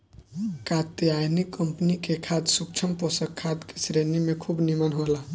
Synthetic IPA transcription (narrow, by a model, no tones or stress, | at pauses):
kat̪jajnikːəmpnikekʰad̪suk̚t͡ʃʰəmposəkʰːad̪ke̥sɾenimekʰubnimənɦola